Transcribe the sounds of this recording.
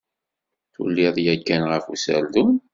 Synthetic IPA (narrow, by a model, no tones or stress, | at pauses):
θṵlːiðˤjækːænʁəfusæ̰ld̪un